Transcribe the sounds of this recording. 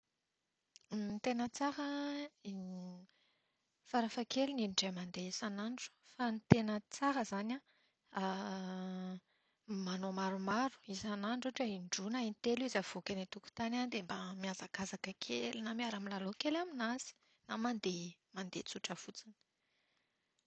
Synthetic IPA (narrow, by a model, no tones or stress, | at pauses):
nit̪enət͡saɾə | faɾafakelininiɖ͡ʐemand̪eisanaɳɖ͡ʐu̥fanit̪enət͡saɾəzana | a | manomaɾumaɾu̥izanaɳɖ͡ʐoʈ͡ʂəiɳɖ͡ʐunainit̪eluizav̥okʲanit̪uku̥t̪anand̪embamiazakazakəkʰelinamiaɾamilalokelaminaz̥i̥ | namand̪emand̪ḛt͡suʈ͡ʂəfut͡sinə̥